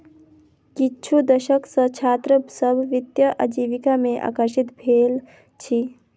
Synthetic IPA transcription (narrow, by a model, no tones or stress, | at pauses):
kitːt͡ʃʰud̪əʃəksə̃t͡ʃʰaːt̪ɾəbsəbʱʋɪt̪jəʔəd͡ʒiːʋikamẽʔa̰ːkəɾʃit̪bʱeːl | t͡ʃʰi